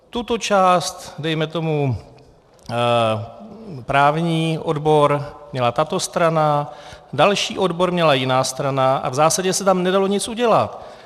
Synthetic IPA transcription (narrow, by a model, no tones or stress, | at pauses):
t̪ut̪o̞t͡ʃaːst̪dɛjmɛt̪o̞mu | pɾaːvɲiːʔo̞dbo̞ɾmɲɛlat̪at̪o̞st̪ɾanadalʃḭːʔo̞dbo̞ɾmɲɛlajɪnaːst̪ɾanaʔa̰vzaːsaɟɛsɛt̪amnɛdalo̞ɲɪt͡sʔuɟɛlat̪